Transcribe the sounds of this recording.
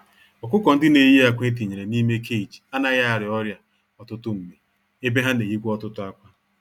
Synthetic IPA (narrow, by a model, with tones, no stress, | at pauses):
ɔ˨kʷʊ˦kɔ˨n̩˦dɪ˦ne˨je˦a˨kʷe˦t̬i˨ɲe˨ɾe˨ni˦me˦kʰe˦i˨d͡ʒi˨a˦na˦ɣa˦a˨ɾɪ˨ɔ˦ɾja˨ | ɔ˨tʊ˦tʊ˦m̩˨me˨ | e˦be˦ɦa˦ne˨ɣi˦kʷɔ˦tʊ˦tʊ˦a˦kʷa˦